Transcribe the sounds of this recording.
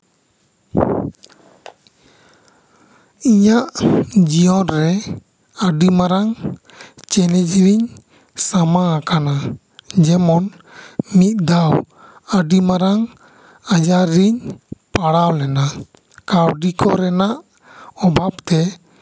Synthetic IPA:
iɲaʔd͡ʒiɔnɾɛ | əɖimaɾaŋ | t͡ʃɛlɛd͡ʒɾiɲ | samaakana | d͡ʒɛmɔn | mit̪̚d̪aw | əɖimaɾaŋ | ad͡ʒaɾːiɲpaɽawlɛna | kawɖikɔɾɛnaʔ | ɔbʱap̚t̪ɛ

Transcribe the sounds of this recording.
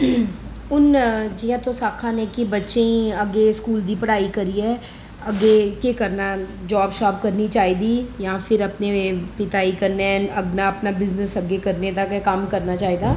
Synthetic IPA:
ʊnd͡ʒɪjãːt̪õsaːkʰãːnekibətːʃẽĩɐɡeskuːld̪iːpəɽaːikəɾiɛː | ɐɡekekəɾnaːd͡ʒaːbʃaːb̚kəɾnit͡ʃaːiːd̪iːjãːfʰɪɾɐpnepɪt̪aːikəɾneɐɡnaɐpnabɪznəsɐɡekəɾned̪akɛkəmkɐɾnat͡ʃaːɦid̪aː

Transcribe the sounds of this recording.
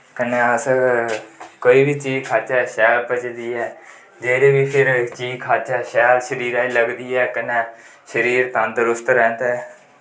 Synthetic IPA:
kənɛːəs | koːiːbiːt͡ʃiːzkʰaːt͡ʃɛːʃɛːlpət͡ʃd̪iːɛː | d͡ʒeːɾeːʋiːpʰɪɾt͡ʃiːzkʰaːt͡ʃɛːʃɛːlʃəɾiːɾaːiːləɡd̪iːɛːkənɛ̃ː | ʃəɾiːɾt̪ãnd̪əɾʊst̪ɾɛ̃ːnt̪ɛː

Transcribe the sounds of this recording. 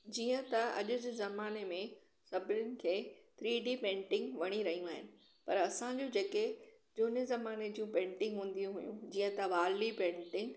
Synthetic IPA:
d͡ʑiːə̃t̪ɐɐ̰ʄʊd͡ʑɪzɐmaːnemẽ | sɐbɪɾʊnɪ̆kʰeːt̪ʰɾiːɖipẽːʈɪ̃ŋɡʋɐɽ̃iɾɐɦijũaːɦɪnɪ̆ | pɐɾɐsãɲd͡ʑod͡ʑeke | d͡ʑoːnezɐmaːned͡ʑiũpẽːɳʈɪ̃ŋɡɦũːn̆d̪ijũɦʊjũd͡ʑiːə̃t̪ɐʋaːllipẽːɳʈɪ̃ŋɡ

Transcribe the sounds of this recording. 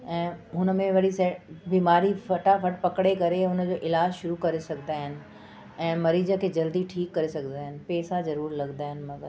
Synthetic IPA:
ɛ̃ːɦʊnəmẽʋɐɽisɐbiːmaːɾifɐʈafʰɐʈ̚pɐkɽekɐɾeɦʊnəd͡ʑoːʔɪlaːd͡ʑʃʊɾukɐɾesɐɡʱd̪aːɦɪnɪ̆ | ɛ̃ːmɐɾiːd͡ʑəkʰeːd͡ʑɐld̪iʈʰiːkːɐɾesɐɡʱd̪aːɦɪnɪ̆pɛːsazɐɾuːɾlɐɡd̪aːɦɪnɪ̆mɐɡəɾ

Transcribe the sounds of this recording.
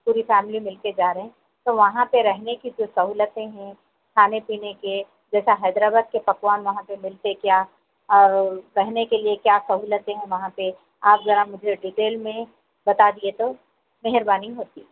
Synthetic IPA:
puːɾifɛːmlimɪlked͡ʒaːɾəɦɛ̃ | t̪oʋɐɦãpeɾɛɦnekid͡ʒoːsɐɦuːlət̪ẽɦɛ̃ | kʰaːnepiːneke | d͡ʒɛːsaɦɛːd̪ɾaːbaːd̪̚kepɐkʋaːnʋɐɦãpemɪlt̪ekjaː | ɔːɾɾɛɦnekeliekjaːsɐɦuːlət̪ẽɦɛ̃ʋɐɦãpe | aːpzɐɾamʊd͡ʒʱeɖiʈeːlmẽ | bɐt̪ad̪iet̪o | meɦɪɾbaːniɦoːt̪iː

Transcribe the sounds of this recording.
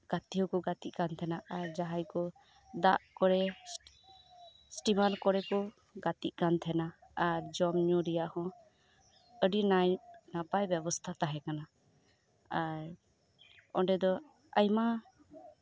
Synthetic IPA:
ɡ̥at̪iɦɔkɔɡat̪iʔ̚kant̪ʰɛnaʔaɾd͡ʒaɦajkɔ | d̪aʔkɔɾɛ | sʈimaɾkɔɾɛkɔ | ɡat̪iʔ̚kant̪ʰɛnaaɾd͡ʒɔmɲɔɾijaʔhɔ̃ | əɖinajnapajbjɛbɔst̪ʰat̪aɦɛkana | aɾ | ɔ̃ɖɛd̪ɔ | əjma

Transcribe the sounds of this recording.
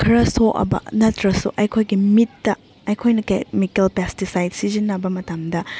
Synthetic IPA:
kʰɐɾɐsoʔɐ̰bɐ̰nɐtɾɐso̰ʔɐjkʰojɡimitːɐ | ɐjkʰojnɐkḛmikelpestisajd̚sizinːɐbɐmɐtamdɐ

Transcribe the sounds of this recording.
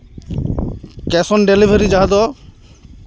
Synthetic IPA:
kɛsɔnɖelibʱəɾid͡ʒaɦad̪ɔ

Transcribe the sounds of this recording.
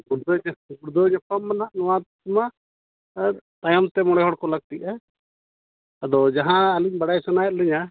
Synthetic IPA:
ɡuɾd̪ɔɲaɡuɾd̪ɔɲapamːanaʔnɔwa | ma | t̪ajɔmt̪ɛmɔɽ̃ɛɦɔɽkɔlaɡ̚t̪iʔa | əd̪ɔd͡ʒaɦãːliɲbaɽajsɔnajt̪̚lɛɲa

